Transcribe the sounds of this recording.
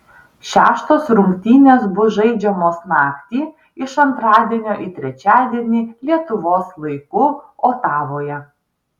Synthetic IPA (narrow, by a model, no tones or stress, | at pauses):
ʃʲæ̰ːʃt̪oːsɾʊŋʲkʲt̪ʲiːnʲeːsbʊʒɐɪd͡ʒʲɛmoːsnɑːkt̪ʲiː | ɪʃɐnt̪ɾɑːd̪ʲiɛnʲoːʔɪt̪ʲɾʲɛt͡ʃʲæːd̪ʲiɛnʲiːlʲiɛt̪ʊʋoːslˠɐɪkuːoːt̪ɑːʋoːjɛ